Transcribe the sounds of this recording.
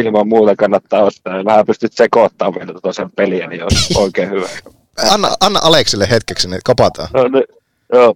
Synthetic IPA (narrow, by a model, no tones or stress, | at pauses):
ilmɑmmuːt̪ɑkɑnːɑt̪ːɑːost̪ɑːɑʋæhæpyst̪yt̪sekot̪ːɑːʋʋielæt̪ot̪ɑsempeliæniolʔoˑikeːhyʋæk | ɑnːɑʔɑnːɑʔɑleksilːehet̪keksinekopɑt̪ɑ̰noni | joː